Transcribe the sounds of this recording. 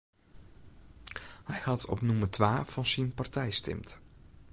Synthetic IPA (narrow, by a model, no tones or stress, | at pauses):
hɛjhɑtʰɔ̰pnumərtʋaːfɑnzinpartɛjstɛ̰mt